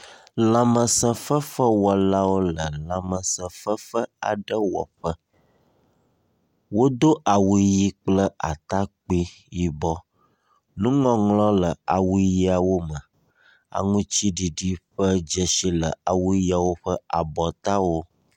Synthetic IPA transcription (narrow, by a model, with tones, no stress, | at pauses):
lã˨mə̃˨sə̃˨fə˦fə˦wɔ˨la˦wo˦lə˨lã˨mə̃˨sə̃˨fə˦fə˦a̰˨ɖə˦wɔ̰˨ɸə˦ | wo˦d̪o˦ʔa˨wu˨ji˦k͡plə˦ʔa̰˨t̪a˦k͡pi˦ | ji˦bɔ˦ | nũ˦ŋɔ̃˦ŋlɔ̃˦lə˨a˨wu˦ji˦a˨wo˦mə˨ | a̰˨ŋũ˦t͡ɕi˦ɖi˨ɖi˦ɸə˦d͡ʒə˨ʃi˦lə̰˨a˨wu˦ji˦a˨wo˦ɸə˦a˨bɔ˨t̪a˦wo˦